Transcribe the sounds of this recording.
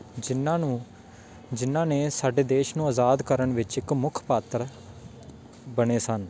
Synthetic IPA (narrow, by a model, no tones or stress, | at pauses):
d͡ʒɪnãːnũː | d͡ʒɪnːãːneːsaːɖeːd̪eːʃnũːazaːd̪kəɾəɳʋɪt͡ʃɪkmʊkʰpaːt̪ɾ | bəɳeːsən